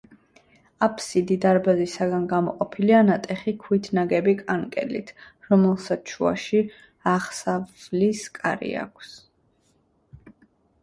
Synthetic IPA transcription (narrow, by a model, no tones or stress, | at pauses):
apʰsid̪id̪aɾbazisaɡanɡamɔqʼɔpʰilianat̪ʼɛχikʰwit̪ʰnaɡɛbikʼaŋkʼɛ̰lḭt̪ʰɾɔmɛlˠsat͡ʃʰṵa̰ʃi | aʁsavzliskʼa̰ɾḭa̰kʷʰs